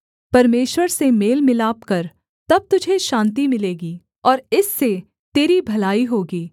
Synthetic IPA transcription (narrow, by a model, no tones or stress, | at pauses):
pɐɾmeːʃwəɾsemeːlmɪlaːpkɐɾ | t̪ɐb̚t̪ʊd͡ʒʱeʃãːnt̪̬imɪleːɡiː | ɔːɾɪsːe | t̪eːɾibʱɐlaːiɦoːɡiː